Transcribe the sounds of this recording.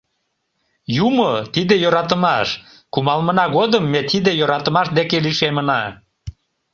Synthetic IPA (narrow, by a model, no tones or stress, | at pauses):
jumot̪id̪ejoɾɑt̪əmɑʃ | kumɑlmənɑɣod̪əmːet̪id̪ejoɾɑt̪əmɑʃd̪ekeliʃemənɑ